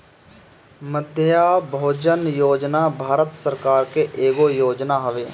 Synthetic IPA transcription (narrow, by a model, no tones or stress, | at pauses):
məd̪ʱjjabʱoːd͡ʒənjoːd͡ʒnabʱaːɾət̪səɾkaːɾkeʔeːɡojoːd͡ʒnaɦəʋeː